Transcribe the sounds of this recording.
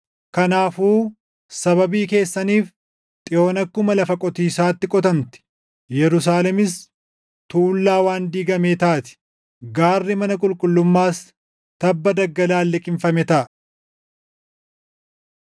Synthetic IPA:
kɐnaːfuː | sɐβɐbiːke̞ːsːɐniːf | t̪ʼɪjo̞ːnɐkːʊmɐlɐfɐkʼɔt̪iːsaːt̪ːɪkʼɔt̪ɐnt̪ɪ̥ | jɛɾʊs̬aːlɛmɪs | t̪uːlːaːwaːnd̪iːɡɐmeːt̪aʔːt̪ɪ̥ | ɡaːrːɪmɐnɐkʼʊlkʼʊlːʊmːaːs | t̪ɐbːɐd̪ɐɡːɐlaːlːɛkʼɪɱfɐmɛt̪ɐʔɐ

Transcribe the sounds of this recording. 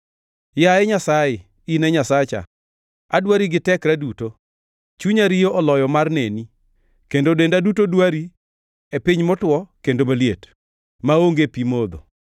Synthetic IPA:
jaɛɲasajɪ | inɛɲasat͡ʃa̰ | a̰dwaɾiɡɪtɛkɾaduto | t͡ʃuɲaɾijoʔɔlɔjɔmarneni | kendodendadutodwaɾi | epiɲmɔtwɔkendomaljet | maoŋɡepimod̪o̰

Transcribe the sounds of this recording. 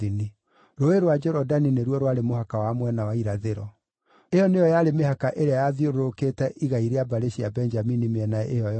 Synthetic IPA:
ini | ɾoeɾwad͡ʒɛɾɔdanineɾwɔɾowaɾemohakawamwɛnawaiɾaðeɾɔ | ejɔnejɔjaɾemeɦakaʔeɾeajaðjoɾoɾoketɛʔiɣaiɾeabaɾeɕiabɛnd͡ʒaminimeɛnaɛ̰ʔejɔj

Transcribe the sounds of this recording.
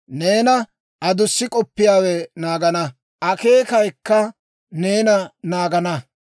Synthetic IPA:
ne̞ːnɐ | ʔɐd̪ʊsːɪkʼɔpːɪjaːwɛnaːɡɐnɐ | ʔɐke̞ːkɐjkːɐ | ne̞ːnɐnaːɡɐnɐ

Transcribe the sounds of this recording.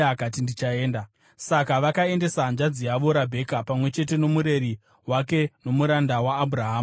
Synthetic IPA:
akat̬indit͡ʃaeːnda | sakaʋakae̞nde̞sand͡ʒad͡zijaʋo̞ɾabʱe̞kapamwe̞t͡ʃe̞t̬e̞no̞muɾe̞ɾi | wake̞no̞muɾandawaːbʱuraɦaːm

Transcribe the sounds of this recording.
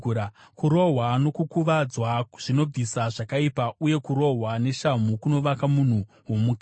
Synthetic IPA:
ɾa | kuɾo̞ɦwano̞kukuʋad͡zwaʐ̥ino̞b͡visaʐakaipauje̞kuɾo̞ɦwane̞ʃam̤ukuno̞ʋakamun̤u | ɦomuk

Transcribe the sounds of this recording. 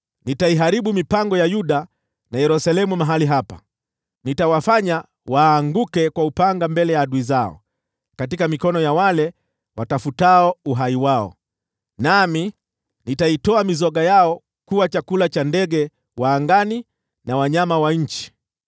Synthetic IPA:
nitaiɦaɾiɓumipaŋɡɔjajuɗa | najɛɾusalɛmumaɦaliɦapa̰ | nitawafaɲa | waːŋɡukɛkwaupaŋɡambɛlɛjaːɗuizaɔ̰ | katikamikɔnɔjawalɛ | watafutaɔuɦaiwaɔ̰ | nami | nitaitɔamizɔɠajaɔ | kuwat͡ʃakulat͡ʃandɛɠɛ | waːŋɡani | nawaɲamawaɲ̩t͡ʃi̥

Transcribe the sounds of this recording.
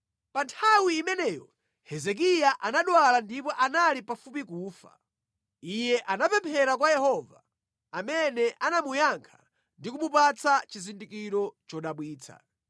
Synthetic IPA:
pantʰawiːmɛnɛːjɔ̰ | hɛzɛk̬ijaʔanaɗwalandipɔʔanalipafup̬ikuːfa̰ | ijɛʔanapɛmpʰɛɾak̬wajɛhɔva̰ | amɛnɛʔanamujaŋkʰḁ | ndikumupat͡sat͡ʃizindikiɾɔt͡ʃɔɗaɓwiːt͡sʰa̰

